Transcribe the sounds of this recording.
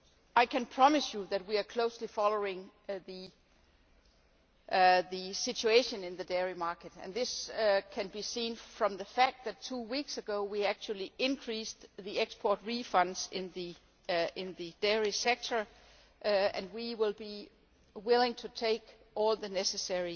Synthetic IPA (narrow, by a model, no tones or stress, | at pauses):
aɪkʰɨ̃npʰɹ̥ɑmɨsjɨðɨt̚wiə˞kʰl̥oʊslifɑlˠoʊɪ̃ŋ | ðɨ | ðɨsɪt͡ʃueɪʃɨ̃nɪ̃nðɨdɛɹimɑɹkɨɾɨ̰̃nðɪskʰɨ̃nbisĩːnfɹʌ̃mðɨfæk̚t̪̚ðætʰuwiksɨɡoʊwiæk̚t͡ʃul̩ˠiʔɪ̃nkʰɹ̥isðiɛkspʰɔɹt̚ɹifʌ̃ndz̥ɪ̃nði | ɪ̃nðɨd̥ɛɹisɛk̚tʰə˞ | ɨ̃nwiwɪlˠbi | wɪlˠɪ̃ŋtʰɨtʰeɪk | ɔlˠðɨnɛsɨsɛɹi